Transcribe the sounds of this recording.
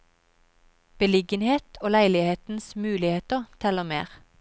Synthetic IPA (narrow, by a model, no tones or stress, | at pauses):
b̥əlɪɡənheːt̪ʰoːlæɪlɪheːt̪n̩smʉːlɪheːt̪əʁt̪ʰɛləmḛːʁ